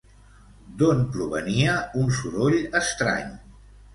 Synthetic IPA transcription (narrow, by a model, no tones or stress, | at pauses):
d̪onpɾuβəniəunsuɾoʎəst̪ɾa̰ɲ